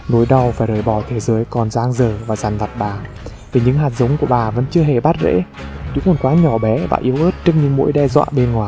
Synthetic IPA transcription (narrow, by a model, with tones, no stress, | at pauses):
no˨˦jɗa˨˩wfaː˧˩jɾəː˧˩jɓɔ˧˩t̪ʰe˨˦zəː˨˦jkɔ˨˩nzaː˧ŋzəː˨˩vaː˨˩za˨˩nla˨˩t̚ɓaː˨˩ | vi˨˩ɲɨ̰˧˥ŋɦaː˨˩t̚zə˨˦wŋ͡mku˧˩əɓaː˨˩və̰˧˥nt͡ɕɨ˧əɦe˨˩ɓa˦˥t̚zḛ˧˥ | ɲṵ˧˥ŋ͡mmo˨˩n̚kwaː˨˦ɲɔ˧˩ɓɛ˨˦va̰ː˨˩ʔi˨˦əwʔəː˦˥t̚t͡ɕɨ˦˥əŋɲɨ̰˧˥ŋmo̰˧˥jɗɛ˧zwa̰ː˧˨ɓe˧nŋwaː˨˩j